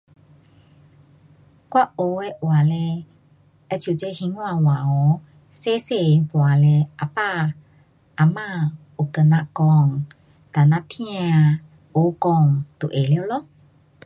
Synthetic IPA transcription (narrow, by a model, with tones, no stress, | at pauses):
kwa˦o˧˦ɛ˦ʔwa˨le˧ | ɛ˦t͡ʃu˨d͡ʒe˦hi˧˦ŋwã˧˨wã˨ɔ˨˦ | se˦se˧˨pu˨a˨le˧a˨pa˦ | a˨mã˦˧ | o˨kə˧nã˧kɔ˧ŋ | t̪a˨nã˧t̪ʰĩ˦a˧ | o˨kɔ˧ŋt̪u˨ʔe˨le˧˦o˧˦lɔ˦